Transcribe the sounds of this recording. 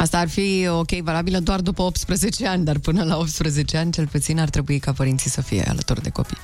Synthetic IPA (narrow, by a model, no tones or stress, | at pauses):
ast̪aːrfio̞kʲe̞jvalabiləd̪oard̪upəo̞p̚t̪spɾəze̞t͡ʃe̞anʲd̪arpɨnəlao̞pt̪spɾəze̞t͡ʃe̞anʲt͡ʃe̞lput̪sinart̪ɾe̞buikapəɾint̪sisəfije̞̰a̰lə̰t̪ord̪e̞̰ko̞pḭ